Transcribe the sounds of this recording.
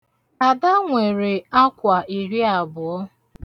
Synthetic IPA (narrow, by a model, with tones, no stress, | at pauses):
a˨da˦ŋʷe˨ɾe˨a˦kʷa˨i˨ɾi˦a˨bʊ˨ɔ˦